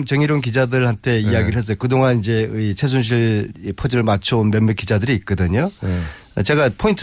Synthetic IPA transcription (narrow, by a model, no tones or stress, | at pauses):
mt͡ɕʌŋiɾonk̬id͡ʑadɯɭhantʰe̞iaɡiɾɯɭɦe̞s͈ʌjokɯdoŋanind͡ʑe̞it͡ɕʰes̬ʰunɕ̬ʰiɭpʰod͡ʑɯɭmat͡ɕʰonmemːek͈id͡ʑadɯɾiːk͈ʌdɯɲo | ʌt͡ɕe̞ɡapʰointʰ